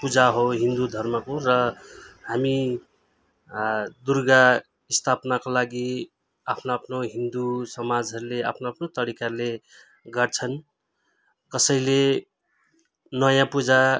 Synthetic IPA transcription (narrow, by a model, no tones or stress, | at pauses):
pud͡zaɦoɦind̪ud̪ʱʌrmʌkorʌhami | d̪urɡa | ist̪ʰapnakolaɡi | apʰnoːpʰnoɦind̪usʌmad͡zɦʌɾulea̰pʰnoapʰnot̪ʌɾikaɾule | ɡʌrt͡sʰʌn | kʌsʌjle | nʌjãpud͡za